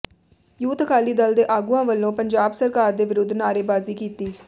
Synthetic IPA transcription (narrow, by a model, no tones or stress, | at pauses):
juːt̪əkʰaːliːd̪əld̪eːʔaːɡuːãːʋəlːõːpəɲd͡ʒaːbsəɾkaːɾd̪eːʋɪɾʊd̪ʱːnaːɾeːbaːziːkiːt̪iː